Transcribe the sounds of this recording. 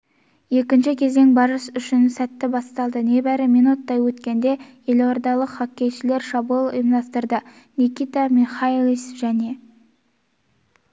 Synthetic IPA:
je̞kʲɪnʃɪkʲʰe̞ze̞ŋbɑɾəsʏʃɪnsæt̪ːɪbɑst̪ɑlˠd̪əne̞bæɾɪminut̪ːɑjwɵt̪kʲe̞nd̪e̞je̞lwoɾd̪ɑlˠəqχɑkʲːe̞jʃɪle̞ɾʃɑbulˠʊ̰jəmd̪ɑst̪əɾd̪ə | nʲikʲit̪amiχalˠisʒæne̞

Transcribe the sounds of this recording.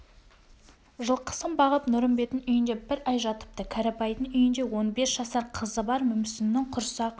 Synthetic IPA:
ʒəlˠqʰə̥səmbɑʁəpnʊɾəmbe̞t̪ɪnʏjɪnd̪e̞bɪɾæjʒɑt̪ə̥p̚t̪əkʲʰæɾapɑjd̪ənʏjɪnd̪e̞wo̞nbesʒ̥ɑsɑɾqʰəzəbɑɾmʏmsɪnːɪŋqʰʊɾsɑq

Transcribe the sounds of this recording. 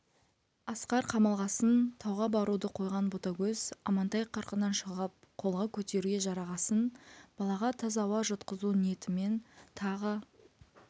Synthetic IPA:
ɑsqɑɾqʰɑmɑlˠʁɑsənt̪ʰɑwʁɑbɑɾud̪əqʰo̞jʁɑnbot̪ɑɡʲɵz̥ɑmɑnt̪ɑjqʰːɑɾqənɑnʃəʁəp̚ | qʰo̞lˠʁɑkʲʰɵt̪e̞ɾuɡʲeʒɑɾɑʁɑsənb̥ɑlˠɑʁɑt̪ʰɑzɑwɑʒət̪qəzunije̞t̪ɪme̞nt̪ʰɑʁə

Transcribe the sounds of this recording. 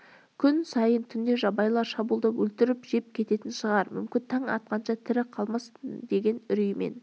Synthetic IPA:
kʲʰʏnsɑjənt̪ʰʏnd̪e̞ʒɑbɑjlˠɑɾʃɑbulˠd̪ɑwɵlt̪ɪɾɪpʒe̞p̚kʲʰe̞t̪e̞t̪ɪnʃəʁɑɾmʏ̰mkʲɪnt̪ʰɑɴɑ̰t̪̚qɑnʃɑt̪ʰɪɾɪqʰɑlˠmɑsd̪e̞ɡʲe̞nʏɾijmḛn

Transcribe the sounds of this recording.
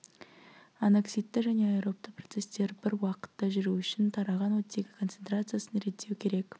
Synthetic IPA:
aneksʲijt̪ːɪʒæne̞ɑjɾo̞p̚t̪əpro̞t̪se̞st̪e̞ɾbɪɾwɑqə̥t̪ːɑʒʏɾuʏʃɪnt̪ʰɑɾɑʁɑnwɵt̪ːe̞ɡʲɪkʰo̞nt̪se̞nt̪ɾat̪sɨjasənɾe̞t̪ːe̞wkʲʰeɾe̞k

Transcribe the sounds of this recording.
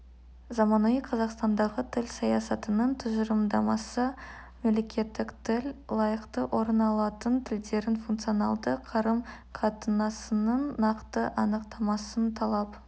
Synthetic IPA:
zɑmɑnuiqʰɑzɑqst̪ɑnd̪ɑʁət̪ʰɪlʲsɑjɑsɑt̪ənəɴt̪ʰʊʒəɾəmd̪ɑmɑsə | memle̞kʲʰe̞t̪ːɪkt̪ʰɪlʲlˠɑjəqt̪əʔo̞ɾnɑlˠɑt̪ənt̪ʰɪld̪e̞ɾɪnfunkt̪sijonɑ̰lˠd̪əqʰɑɾəm | qʰɑt̪ənɑsənəɴːɑqt̪əʔɑnəq̚t̪ɑmɑsənt̪ʰɑlˠɑp

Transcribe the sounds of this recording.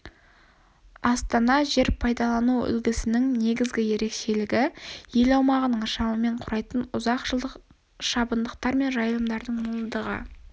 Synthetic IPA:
ɑst̪ɑnɑʒe̞ɾpʰɑjd̪ɑlˠɑnuʏ̰lɡʲɪsɪnɪŋne̞ɡʲɪzɡʲɪje̞ɾe̞kʃe̞lɪɡʲɪje̞lɑwmɑʁənəɴʃɑwəme̞ɴqʰʊɾɑjt̪ənʊzɑqʒə | ʃɑbənd̪əqt̪ɑɾme̞nʒɑjlˠəmd̪ɑɾd̪əɴmʊlˠənd̪əʁə̰

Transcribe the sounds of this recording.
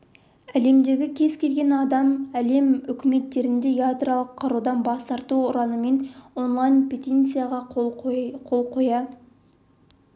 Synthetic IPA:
æle̞md̪e̞ɡʲɪkʲʰe̞zkʲe̞lɡʲe̞nɑd̪ɑmæle̞mʏkʲɪme̞t̪ːe̞ɾɪnd̪e̞jat̪ralˠəqʰːɑɾud̪ɑnbɑst̪ɑɾt̪uʊɾɑnəme̞no̞nlˠɑjnpʰʲet̪ʲent̪sijaʁɑ | qʰo̞lˠqʰo̞jɑ

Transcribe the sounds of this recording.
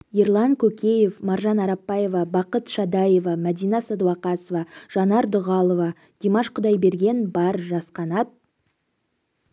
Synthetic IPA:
jeɾlˠɑŋkʲʰɵkʲe̞je̞fmɑɾʒɑnɑɾɑpːɑje̞vɑbɑqət̪ʃɑd̪ɑjevɑmæd̪ijnɑsɑd̪uwɑqɑsovɑʒ̥ɑnɑɾd̪ʊʁɑlˠovɑ | d̪̥emɑʃqʰʊd̪ɑjbe̞ɾɡʲe̞nbɑɾʒɑsqɑnɑt̪̚

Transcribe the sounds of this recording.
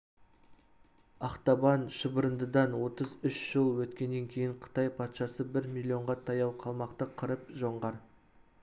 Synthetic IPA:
ɑqt̪ɑbɑnʃəbəɾənd̪əd̪ɑnwo̞t̪əzʏʃʒ̥əlˠwɵt̪kʲe̞nːe̞ŋkʲʰejɪɴqʰə̥t̪ɑjpʰɑt̪ʃɑsəbɪɾmilʲːio̞ɴʁɑt̪ʰɑjɑwqʰɑlˠmɑqt̪əqʰəɾəpʒo̞ɴʁɑɾ

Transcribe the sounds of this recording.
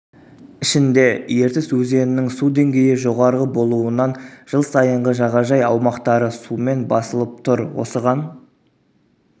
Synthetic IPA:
ɪʃɪnd̪e̞je̞ɾt̪ɪswɵze̞nɪnɪŋsud̪e̞ŋɡʲe̞jɪʒo̞ʁɑɾʁəbo̞lˠuənɑnʒ̥əlˠsɑjəɴʁəʒɑʁɑʒɑjɑwmɑqt̪ɑɾəsume̞nbɑsəlˠəp̚t̪ʰʊɾwo̞̰səʁɑn

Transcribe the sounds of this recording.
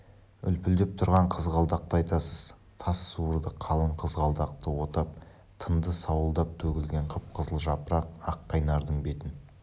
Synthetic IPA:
ʏ̰lpʏld̪ɪp̚t̪ʰʊɾʁɑɴqʰəzʁɑlˠd̪ɑq̚t̪əɑjt̪ɑsəz̥ | t̪ʰɑsːuəɾd̪əqʰɑlˠəɴqʰəzʁɑlˠd̪ɑq̚t̪əwo̞t̪ɑp̚ | t̪ʰənd̪əsɑwəlˠd̪ɑp̚t̪ʰɵkʲɪlɡʲe̞ɴqʰəp̚qʰəzəlˠʒɑpəɾɑq̚ɑqːɑjnɑɾd̪əɴbe̞t̪ɪn

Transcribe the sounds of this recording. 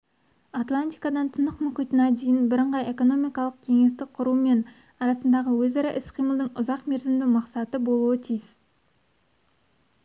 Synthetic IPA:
at̪lˠant̪ijkɑd̪ɑnt̪ʰənəqmʏχijt̪ɪnɑd̪ejɪnbɪɾəɴʁɑje̞ko̞no̞mijkɑlˠəq̚kʲʰe̞ŋe̞st̪ɪk̚qʰʊɾuəme̞n | ɑɾɑsənd̪ɑʁəwɵzɑɾɑʔɪsqʰijməlˠd̪əɴʊzɑqme̞ɾzɪmd̪ɪmɑqsɑt̪əbo̞lˠuət̪ʰijɪs

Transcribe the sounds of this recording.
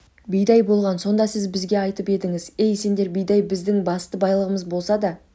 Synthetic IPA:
bijd̪ɑjbo̞lˠʁɑnso̞nd̪ɑsɪzbɪzɡʲe̞ɑjt̪əpe̞d̪ɪŋɪze̞jse̞nd̪e̞ɾbijd̪ɑjbɪzd̪ɪŋbɑst̪əbɑjlˠəʁəməzbo̞lˠsɑd̪ɑ

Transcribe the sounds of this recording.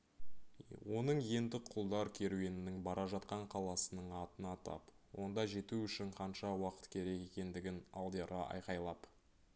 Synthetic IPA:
wo̞nəɴje̞nd̪ɪqʰːʊlˠd̪ɑɾkʲʰe̞ɾuwe̞nɪnɪŋbɑɾʔɑʒɑt̪qɑɴqʰɑlˠɑsənəɴɑt̪ənɑt̪ʰɑ̰p | wo̞nd̪ɑʒe̞t̪uʏʃɪɴqʰɑnʃɑwɑqə̥t̪kʲʰe̞ɾe̞ke̞kʲe̞nd̪ɪɡʲɪnɑlˠd̪eɾɑʔɑ̰jqɑjlˠɑp

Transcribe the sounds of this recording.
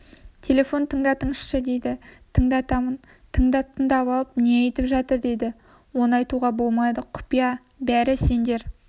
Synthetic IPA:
t̪ʲʰe̞lʲe̞fo̞nt̪ʰəɴd̪ɑt̪ʰəɴəʃʃəd̪e̞jd̪ɪt̪ʰəɴd̪ɑt̪ɑmən | t̪ʰəɴd̪ɑt̪ʰəɴd̪ɑβɑlˠəp̚neejt̪ɪpʒɑt̪əɾd̪e̞d̪ɪ | wo̞nəɑjt̪uʁɑbo̞lˠmɑd̪əqʰʊ̥pijɑ | bæɾɪse̞nd̪e̞ɾ

